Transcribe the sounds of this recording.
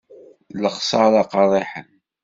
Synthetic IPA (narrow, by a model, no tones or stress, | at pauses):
ləχsˤɑɾˤɑqɑðˤeħən